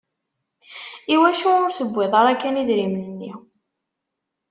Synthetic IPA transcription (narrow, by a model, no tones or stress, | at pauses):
iwæʃuʊɾsəbʷːɪðˤɑɾækːæniðɾimnənːḭ